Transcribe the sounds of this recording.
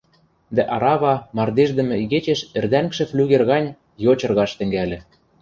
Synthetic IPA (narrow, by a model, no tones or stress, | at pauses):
d̪æʔɑɾɑβɑmɑrd̪eʒd̪ɘ̆mɘ̆iɣet͡ɕeʃĕrd̪æŋkʃɘ̆flʲyɣerɣɑnʲ | jot͡ɕɤ̆rɣɑʃt̪ɘ̆ŋɡælʲɘ̆